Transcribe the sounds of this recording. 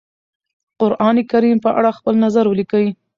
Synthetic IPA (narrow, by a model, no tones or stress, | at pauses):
qʊɾʔɑnekaɾimpəʔa̰ɽaxpəlnazaɾwəlikawi